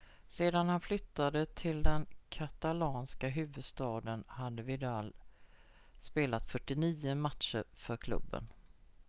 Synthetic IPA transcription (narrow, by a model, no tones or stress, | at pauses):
seːd̪anhanflʏt̪ːad̪ət̪ʰɪld̪ɛnkʰat̪alɑːnskaɦʉ̟ːvɵd̪st̪ɑːd̪ənhad̪ːəvɪd̪al | speːlat̪fœʈːɪniːʊmat̪ʃəɾfœɾkʰlɵ̰bːə̰n